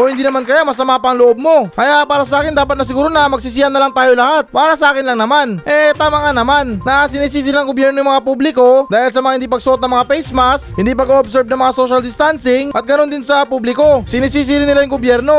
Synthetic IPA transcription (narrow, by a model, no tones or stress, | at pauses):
ʔohɪnd̪iːnɐmankɐjamɐsɐmapɐŋloʔo̞b̚mo̞kɐjaʔpaːɾɐs̬ɐʔaːkɪnd̪aːpɐt̪̚nɐs̬ɪɡuːɾonɐmɐɡ̚sɪs̬ɪɐnːɐlaŋt̪aːjo̞lɐhat̪̚paːɾɐsɐʔaːkɪnlɐŋnɐmanʔɛt̪aːmaŋanɐmanːɐsɪniːs̬iːs̬inɐŋɡobjɛɾnojŋmɐŋapublɪko̞d̪aːhɪls̬ɐmɐŋahɪnd̪ipɐɡ̚sʊʔo̞t̪̚nɐŋmɐŋafɛjsmashɪnd̪ipɐɡoʔobsɛɹb̚nɐŋmɐŋaso̞ʃɐld̪ɪst̪ansɪŋʔɐt̪̚ɡɐno̞nd̪ɪnsɐpublɪko̞sɪniːs̬iːs̬iɾɪnɪlajʊŋɡobjɛɾno̞